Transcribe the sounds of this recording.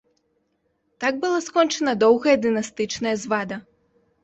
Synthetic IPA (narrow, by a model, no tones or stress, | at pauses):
t̪aɡ̚bɨlˠaskɔnt͡ʂɐnɐd̪ɔwɣɐjɐd̪ɨnast̪ɨt͡ʂnɐjɐzvad̪ɐ